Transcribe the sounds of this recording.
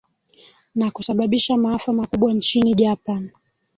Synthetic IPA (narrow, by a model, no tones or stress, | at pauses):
nakusaɓaɓiʃamaafamakuɓwant͡ʃiniʄapan